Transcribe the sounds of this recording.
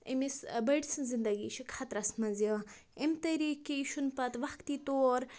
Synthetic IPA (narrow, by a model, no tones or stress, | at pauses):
ḭmisbɐɖsɨnzind̪ɐɡiʃʰikʰat̪ɾɐsnmɐzio | emt̪ɐɾikiʃʰunpɐt̪ʋɐxkt̪it̪oːɾ